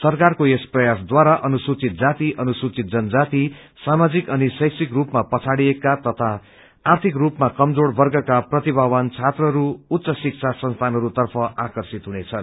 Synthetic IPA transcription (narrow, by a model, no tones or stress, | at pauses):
sʌrkarkoesprʌjasd̪waɾaʔʌnusut͡sit̪̚d͡zat̪iʔʌnusut͡sit̪̚d͡zʌnʌd͡zat̪i | samad͡zikʌnisʌjksikrupmapʌt͡sʰaɽiekːat̪ʌt̪ʰaː | rt̪ʰikrupmakʌmd͡zoɽbʌrɡʌkaprʌt̪ibʱawʌnt͡sʰat̪rʌɦʌɾuːt̪ːsʌsik̚t͡sʰasʌnst̪ʰanɦʌɾut̪ʌrpʰʌakʌrsit̪ɦunet͡sʰʌn